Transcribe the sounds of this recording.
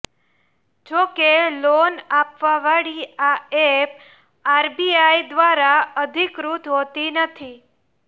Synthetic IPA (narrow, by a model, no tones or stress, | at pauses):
d͡ʒokelonapʋaʋaɽiaep | aɾbiajd̪ʋaɾaəd̪ʱikɾut̪ɦot̪inət̪ʰi